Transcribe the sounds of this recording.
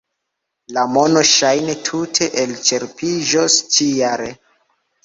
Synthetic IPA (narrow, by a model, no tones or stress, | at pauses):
lamo̞no̞ʃajne̞tʰutʰe̞ʔelt͡ʃe̞ɾpʰiʒost͡ʃijaɾe